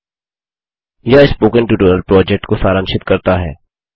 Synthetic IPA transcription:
jaɪspoːkə̃ɳʈuːʈəːnəlpɾɔːd͡ʒɛk̚ʈkosaːɾə̃nʃɪt̪kɐɾt̪aɦɛ̰ː

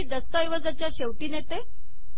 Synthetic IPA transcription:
iːd̪əst̪ajʋəd͡zat͡ɕjaɕeʋʈiːnet̪e

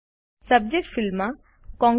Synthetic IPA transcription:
sɐb̚d͡ʒek̚ʈfilma | kɔ̃ŋ

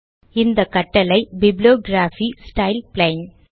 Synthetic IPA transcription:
ɪnd̪ɐkɐʈːɐlɐɪbɪblijoːɡɾaːfisʈɐɪlplɐɪn

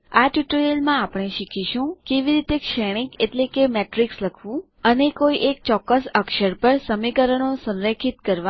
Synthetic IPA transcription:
aʈjuʈəɾiəlmãapɳ̃eʃikʰiʃũkeʋiɾit̪ekʃɛɽ̃ikeʈlekemeʈɾiksləkʰʋũ | ənekoiʔek̚t͡ʃɔkːəsəkʃəɾpəɾsəmikəɾəɳ̃osə̃nɾekʰit̪kəɾʋa

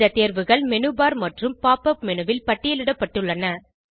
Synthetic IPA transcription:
ɐt̪eːɾʋɯɣɐɭmɛnɯbaːɾmɐʈrɯmpaːpɐp̚mɛnɯʋɪlpɐʈːɪjɐlɪɽɐpːɐʈːɯɭːɐnɐ

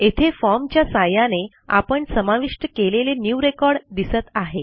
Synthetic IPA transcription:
et̪ʰefɔɾmt͡ɕjasajane | a̰pəɳsəmaʋiʂʈəkelelenjuːɾekɔɾɽd̪isət̪aɦe

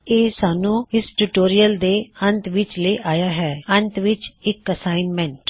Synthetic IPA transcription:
eːsaːnũːɪsʈuːʈoːɾijəld̪eːə̃nt̪ʋɪt͡ʃleʔaːjaːɦɛːənt̪ʋɪt͡ʃɪkəsaːɪnmɛ̃ːɳʈ

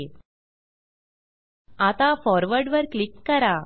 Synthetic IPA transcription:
at̪afɔɾʋəɾɖʋəɾklikːəɾa

